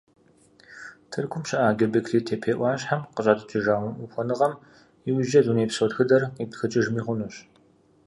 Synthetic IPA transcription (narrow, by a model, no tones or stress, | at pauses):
tʰɨrɡʰʷʊmɕɪʔaːɡʲɐbɨkʰliːtʰeːpʰeːʔʷɑːɕħamqəɕʼaːdɐtʰiʒaːwʷʊmʔʊxʷɔnɨʁɐm | iwʒɐduneːpsɔtxɨdɐritxɨt͡ʃʼɪʒmiːχʷʊnuɕ